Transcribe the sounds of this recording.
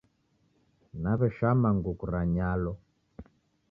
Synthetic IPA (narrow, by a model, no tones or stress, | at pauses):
naβɛʃamaŋɡukuɾaɲalɔ